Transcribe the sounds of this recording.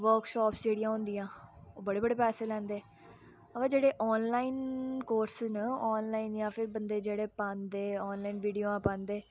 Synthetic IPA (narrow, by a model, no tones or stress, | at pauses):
ʋəɾkʃɔːpsd͡ʒeːɽijãːɦʊ̃nd̪ijãːoːbəɽeːbəɽeːpɛːseːlɛ̃ːnd̪eː | əʋãːd͡ʒeːɽeːʔɔːnlaːiːnkoːɾsnəɔːnlaːinjãːpʰɪɾbənd̪eːd͡ʒeːɽeːpãːnd̪eːɔːnlaːiːnʋiːɖijõãːpãːnd̪eː